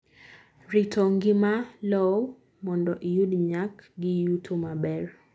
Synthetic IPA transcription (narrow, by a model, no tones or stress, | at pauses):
ritʰɔŋɡɪmalɔw | mɔndɔʔijudɲakɡɪjutʰomabɛr